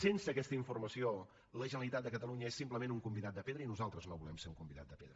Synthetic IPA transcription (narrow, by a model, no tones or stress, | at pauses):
sensəːkɛst̪əiɱfurməsio | ləʒənəlˠit̪at̪̚d̪əkət̪əluɲəesːimpləmenuŋkumbiðat̪̚d̪əpeðɾəinuzalˠt̪ɾəznoβulɛmseuŋkumbiða̰t̪d̪əpḛðɾə